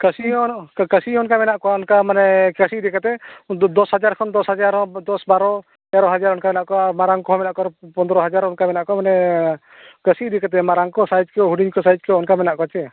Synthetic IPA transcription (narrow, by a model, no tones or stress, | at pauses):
kəsiɔkəsiɔnkamɛnaʔkɔaɔnkamanɛkəsiʔd̪ikat̪ɛd̪ɔshad͡ʒaɾkʰɔnd̪ɔshad͡ʒaɾɔd̪ɔsbaɾɔ | d͡ʒaɾɔɦad͡ʒaɾɔnkamɛnaʔkɔamaɾaŋkɔɦɔmɛnaʔkɔɾpɔnd̪ɔɾɔɦad͡ʒaɾɔnkamɛnaʔkɔmanɛ | kəsiʔd̪ikat̪̬ɛmaɾaŋkɔsajd͡ʒkɛɦuɖiɲkɔsajd͡ʒkɛɔnkamɛnaʔkɔt͡ʃɛ